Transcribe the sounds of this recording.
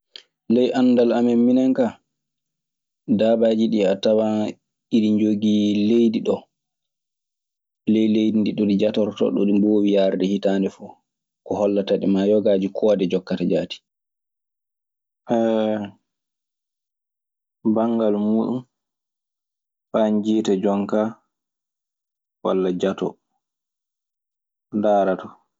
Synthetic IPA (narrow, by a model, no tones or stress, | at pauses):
lɛjʔanːdalamɛminɛŋka | daːbad͡ʒiɗiatawa | iɾiɲd͡ʒoɡilejdiɗɔ | lɛjlejdindiɗɔɗid͡ʒatɔɾtɔ̰ɗɔ̰ɗiboːwijaɾdɛhitandɛfu | kɔhɔlːataɗimajɔɡad͡ʒikʰɔdɛd͡ʒɔkːatad͡ʒaːti̥ | ʔɛ | baŋɡalmuːɗum | ɓaɲd͡ʒiːtad͡ʒɔŋka | wa̰lːad͡ʒatɔ̰ | ndaːɾatɔ